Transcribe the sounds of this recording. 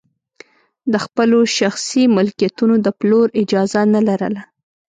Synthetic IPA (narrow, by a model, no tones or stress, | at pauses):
d̪əxpəloʃaxsimʊlkijat̪unod̪əploɾɪd͡ʒɑzanalaɾə̰la